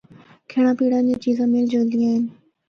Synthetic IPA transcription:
kʰeːɽ̃ãːpiːɽãːnd͡ʑẽːt͡ɕiːzãːmɪld͡ʒoːd̪ĩaːɦɪnɪ

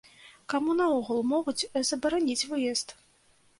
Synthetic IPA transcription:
kamunɐɔɣulˠmɔɣut͡sʲzɐbɐɾanʲit͡sʲvɨjɛst̪

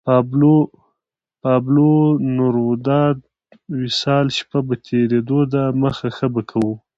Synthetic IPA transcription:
pɑblo | pɑblonʊɾwʊd̪ɑd̪ | wɪsɑlʃpabat̪ʰeɾed̪od̪aməxaxəbakʰawu

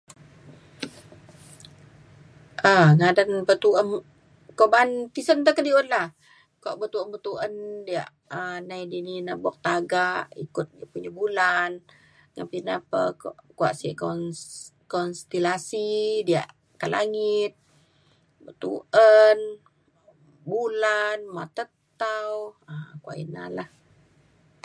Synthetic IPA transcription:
ʔaŋadanbət̪uʔən | koʔbant̪isənt̪əkədionlah | kuaʔbət̪uənbət̪uʔəndia̰ʔ | ənajdininabuak̚t̪aɡaʔḭkʊt̪̚diaʔpuɲəbulan | ŋa̰pinapə̰kʔkua̰ʔsiʔkɔn | kɔnst̪ilasidia̰ʔ | kala̰ŋɪt̪̚ | bət̪ṵʔən | bulanmat̪ət̪awəkuaʔina̰lah

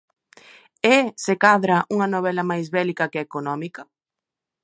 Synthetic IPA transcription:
esekaðɾɐʔuŋɐnoβ̞ɛlɐmajzβɛlikɐkeekonɔmikɐ

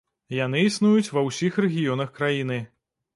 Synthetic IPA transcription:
jan̪ɨisnujut͡sʲvɐwsʲixrɛɣʲijɔn̪ɐxkɾajinɨ

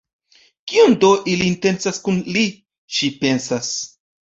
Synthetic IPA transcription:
kiundoʔiliːnte̞nt͡saskunli | ʃipe̞nsas

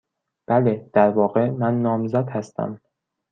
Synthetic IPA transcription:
b̥æled̪̥æɾvɒːɣe̞mænːɒːmzæd̪hæst̪æ̰m

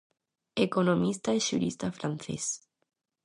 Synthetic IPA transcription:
ekonomist̪aeʃṵɾist̪afɾanθḛs

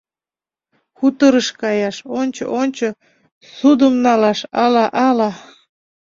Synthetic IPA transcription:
xut̪əɾəʃkɑjɑʃonʲt͡ɕo̰ʔonʲt͡ɕo | sud̪əmnɑlɑʃɑlɑʔɑlɑ

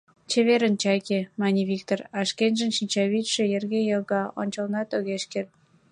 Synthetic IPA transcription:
t͡ɕeβeɾənt͡ɕɑjkemɑnʲiβikt̪orɑʃkenʲʒə̆nʃinʲt͡ɕɑβit̪ʃĕjerɣejəɣɑo̰nʲt͡ɕɑlnɑt̪oɣeʃkert̪̚

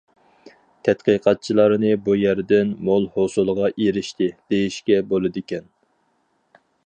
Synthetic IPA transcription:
t̪ʰɛt̪qəqʰɑt̪̚t͡ʃʰilˠɑɾnɨbujæɾd̪ɪnmolˠhosulˠʁɑʔeɾɪʃt̪ɪd̪̥ejiʃkʲɛbolˠɨd̪ɪkʲɛn

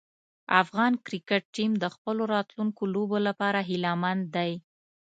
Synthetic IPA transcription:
afɣɑnkɾɪkɪʈ̚ʈimd̪əxpəloɾɑt̪luŋkolobolapɑɾaɦɪlamand̪ːaj

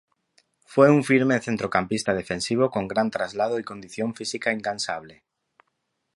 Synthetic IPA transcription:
fwejuɱfiɾmeθent̪ɾokampist̪að̞efẽnsiβokoŋɡɾant̪ɾazlað̞oikond̪iθjõɱfisikaiŋkansaβle

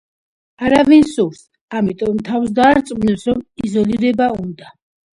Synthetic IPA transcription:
aɾavinsuɾs | amit̪ʼɔmt̪ʰafsd̪aːɾt̪sʼmnɛpsɾɔmizɔliɾɛbaund̪a

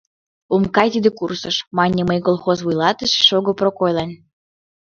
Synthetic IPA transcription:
umkɑjt̪id̪ekursəʃmɑnʲeməjkolˠxozβujlˠɑt̪ə̆ʃʃoɣoprokojlˠɑnʲ

